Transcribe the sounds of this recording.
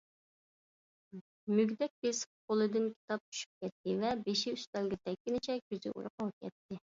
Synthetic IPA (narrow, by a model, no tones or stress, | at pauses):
myɡʲd̪ɛk̚ʲbesqʰolˠɨd̪ɨnkʲʰi̥t̪ɑp̚t͡ʃ̪ʰy̥ʃy̥p̚kʲɛt̪ːɪvɛbeʃiyst̪ɛlɡʲɛt̪ʰɛkʲːɪnɪt͡ʃʰɛk̚ʲkʲyzɪ̰ʔṵɾʊqɑʁɑp̚kʲʰɛt̪ʰːɪ